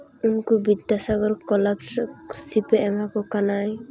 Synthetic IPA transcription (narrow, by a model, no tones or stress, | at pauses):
unkubid̪asaɡɔɾkɔlabssipɛɛmakɔkanaj